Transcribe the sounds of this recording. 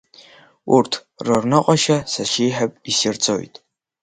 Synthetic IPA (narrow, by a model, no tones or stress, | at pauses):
ṵrtʰ | rornɨqʼɔʃɐsaʃiːħapʼisirt͡sʼo̰jtʼ